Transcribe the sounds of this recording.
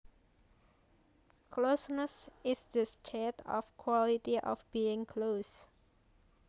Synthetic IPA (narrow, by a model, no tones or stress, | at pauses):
kʰlosnəsɪsdəst͡ʃʰɛtɔ̰fkʰwɔlitiʔɔ̰fbiɪ̃ŋkʰlos